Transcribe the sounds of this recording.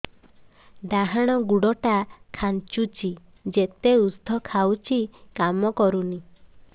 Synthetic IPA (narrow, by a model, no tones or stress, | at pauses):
ɖaɦaɽ̃ɔɡuɽɔʈakʰant͡ʃut͡ʃʰi | d͡ʒet̪eust̪ʰɔkʰawt͡ʃʰikamɔkɔɾuni